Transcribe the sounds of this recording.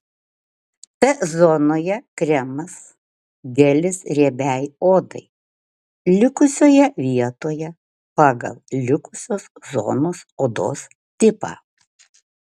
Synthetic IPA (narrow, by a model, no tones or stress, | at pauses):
t̪ʲɛzoːnoːjɛkɾʲɛmɐs | ɡʲɛlʲɪsɾʲeɛbʲæˑjoːd̪ɐ̰ɪ | lʲɪkʊsʲoːjɛʋʲiɛt̪oːjɛ | pɑːɡɐ̰lˠlʲɪkʊsʲoːszo̰ːnoːsoːd̪o̰ːs | t̪ʲɪpɑ̰ː